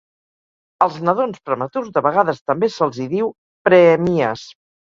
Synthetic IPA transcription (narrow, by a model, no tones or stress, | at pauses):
əlˠznəðonspɾəmət̪uzðəβəɣaðəst̪əmbesəlˠziðiw | pɾəːmiəs